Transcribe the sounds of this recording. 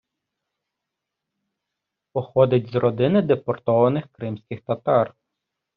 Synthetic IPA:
pɔxɔd̪ʲɐtʲzɾɔd̪ɪnɪd̪epɔrt̪ɔʋɐnɪxkɾɪmsʲkʲɪxt̪ɐt̪ɑr

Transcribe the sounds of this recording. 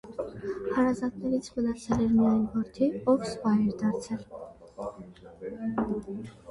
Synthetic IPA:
hɑɾɑzɑt̪nɛɾit͡sʰmənɑt͡sʰɛlɛɾmiɑjnvɔɾt̪ʰiɔvsvɑɛɾd̪ɑɾt͡sʰɛl

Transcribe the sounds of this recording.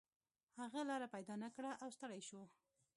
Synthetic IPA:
haɣalɑɾapajd̪ɑnakɽaʔawst̪əɽajʃo

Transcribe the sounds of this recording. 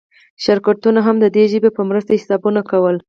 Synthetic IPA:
ʃaɾkat̪unaɦamd̪əd̪eʒəbepəmɾəst̪ahɪsɑbunakawəl

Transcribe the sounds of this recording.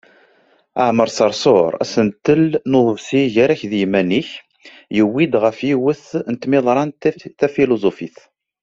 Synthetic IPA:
əʕməɾˤsɑɾˤsoɾˤæ̰sənt̪ːəlnoðˤəvsiʝaɾæçðjmæniç | jəwːid̪ʁəfjiwəθnt̪mɪðˤɾˤɑntθæfilozofiθ

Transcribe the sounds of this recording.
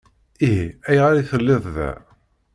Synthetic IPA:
iɦiæjʁaɾiθəlːɪðˤðæ̰

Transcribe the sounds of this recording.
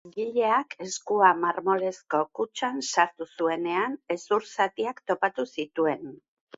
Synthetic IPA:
ɡiʎe̞akʰe̞skuamaɾmo̞le̞sko̞kut͡ʃansaɾt̪usue̞ne̞ane̞suɾsat̪iakt̪o̞pat̪usit̪ue̞n

